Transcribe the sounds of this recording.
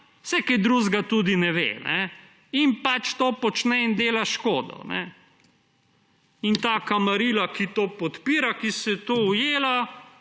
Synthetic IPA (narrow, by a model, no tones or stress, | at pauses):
wsɛkɛd̪ɾuzɡat̪ud̪inɛʋḛːnɛ | inpat͡ʃt̪oːpɔt͡ʃnɛind̪eːlaʃkoːd̪ɔ̰nɛ̰ | int̪aːkamaɾiːlakit̪oːpɔt̪piːɾakisɛt̪owjeːla